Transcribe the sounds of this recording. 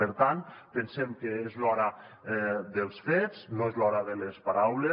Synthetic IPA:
əɾt̪anpensemkeezlɔɾa | ðelˠsfeznoezlɔɾaðelespaɾawle

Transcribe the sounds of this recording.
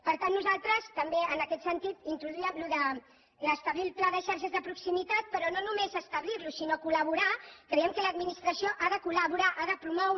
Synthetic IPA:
pəɾt̪anːuzalˠt̪ɾəst̪əmbeənəkɛt̪sənt̪it̪int̪ɾuðuiɛmluðə | ləst̪əβlilˠplaðəʃaɾʃəzðəpɾuksimit̪at̪̚pəɾɔnonumezəst̪əβliɾlusinokuləβuɾakɾəjɛmkələd̪minist̪ɾəsioʔaðəkuləβuɾaʔaðəpɾumɔw

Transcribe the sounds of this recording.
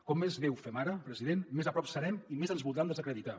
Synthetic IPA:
kɔmːezβɛwfɛmaɾəpɾəziðenːezapɾɔpsəɾɛmimezənzβulˠd̪ɾamd̪əzəkɾəðit̪a

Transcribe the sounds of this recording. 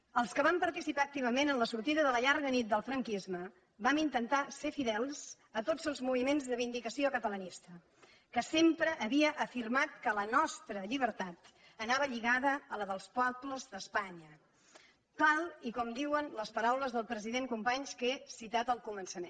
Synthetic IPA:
əlˠskəβampəɾt̪isipaək̚t̪iβ̞əmenənləsuɾt̪iðəðələʎaɾɣənit̪̚d̪əlˠfɾəŋkizmə | bamint̪ənt̪aseɾfiðɛlˠz̥ | ət̪odzəlˠzmuβimenzðəβind̪ikəsiokət̪ələnist̪ə | kəsempɾəʔːβiəʔəfirmat̪̚kələnɔst̪ɾəʎiβ̞əɾt̪at̪ | ənaβəʎiɣaðəːləðəlˠspɔbləzðəspaɲə | t̪alˠikɔmd̪iwənləspəɾawləzðəlˠpɾəziðeŋkumpaɲskesit̪at̪əlˠkumənsəmḛn

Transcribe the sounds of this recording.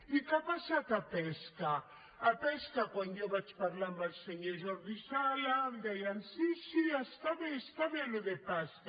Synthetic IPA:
ikapasat̪apɛska | apɛskakwãnd̪ɛwβat͡ʃpaɾlambalseɲeʒɔɾðisalad̪ɛjansisiast̪aβest̪aβeloðepaska

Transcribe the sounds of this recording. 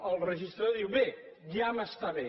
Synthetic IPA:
əlˠrəʒist̪ɾaoðiwβe | jaməst̪aβe

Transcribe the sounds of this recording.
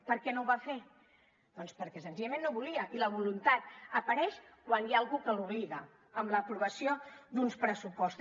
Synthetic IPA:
pəɾkɛnowβafe | d̪̥ɔnspəɾkɛsənziʎəmẽnːoβuliəʔiləβulunt̪at̪̚əpəɾɛʃkwanjaːlˠɣukəlˠuβliɣə | əmləːpɾuβəsiod̪unspɾəsupɔst̪

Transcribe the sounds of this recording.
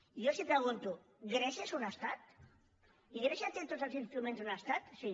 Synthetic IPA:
ijosipɾeɣ̞unt̪u | ɡɾeʃesunast̪at̪ | iɣɾeʃat̪et̪osəlˠsinst̪ɾumẽnzunast̪at̪si

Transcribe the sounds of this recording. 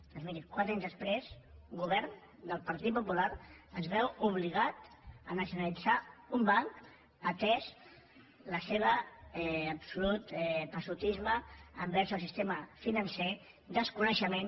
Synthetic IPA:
d̪ɔnzmiɾikwat̪ɾaɲzðəspɾezɡuβ̞ɛɾn | d̪əlˠpəɾt̪it̪̚pupulaɾəzβɛwuβ̞liɣ̞at̪ | ənəsjunalid͡zaumbaŋk | ət̪ɛz | ləseβ̞əɛːpsulut̪ɛpəsut̪izməəmbɛɾsəlˠsist̪eməfinənse | d̪əskunəʃəmen

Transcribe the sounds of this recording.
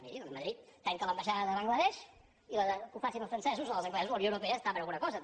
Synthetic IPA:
miɾit̪məðɾit̪̚ːɛŋkələmbəʃaðəðəβaŋɡləðɛʃ | iləkufasinəlˠfɾənsɛzuzəlˠzəŋɡlɛzuzləwnjoəwɾupeəst̪aβəɾəlˠɣunəkɔzə

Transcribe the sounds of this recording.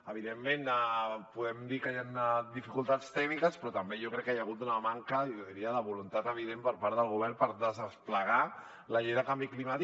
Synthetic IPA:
əβ̞iðemːenapuðɛmd̪ikəjand̪ifikulˠt̪at͡st̪ɛkmikəspɾɔt̪əmbeʒɔkɾɛkːəjaɣ̞ut̪unəmaŋkəjoðiɾiəðəβulunt̪at̪əβ̞iðempəɾpaɾt̪əlˠɣuβ̞ɛɾrpəɾðəzəspləɣ̞a | ləʎɛjðəkambiklimat̪i

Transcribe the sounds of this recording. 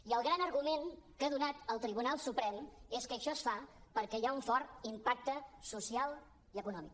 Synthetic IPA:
iəlˠɣɾanəɾɣumenkaðunat̪əlˠt̪ɾiβ̞unalˠsupɾɛmeskəʃɔəsfapəɾkɛjauɱfɔɾt̪impak̚t̪əsusialˠ | iəkunɔmḭk

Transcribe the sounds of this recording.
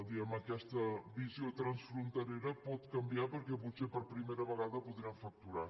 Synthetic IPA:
lˠd̪iəməkɛst̪əβiziot̪ɾənsfɾunt̪əɾeɾəpɔt̪kəmbiapəɾkɛput̪sepəɾpɾimeɾəβəɣ̞aðəpuðɾiaɱfək̚t̪uɾa

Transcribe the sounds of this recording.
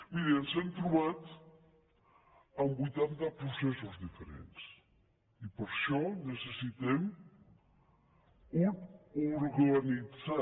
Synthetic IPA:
miɾiənzɛmt̪ɾuβat̪ | əmbujt̪ant̪apɾusɛsuzðifəɾḛns | ipəɾʃɔnəsəsit̪ɛm | ɾɣlanid͡za

